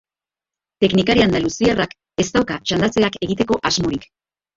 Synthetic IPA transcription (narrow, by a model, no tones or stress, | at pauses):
t̪e̞knikaɾiand̪alusiarak | e̞st̪awkaʝand̪at͡se̞ake̞ɣit̪e̞ko̞ʔazmoɾik